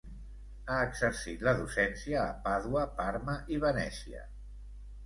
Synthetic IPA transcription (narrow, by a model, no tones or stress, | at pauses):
aəɡzəɾsit̪ləðusɛnsiəːpaðuəpaɾməʔiβ̞ənɛsiə̰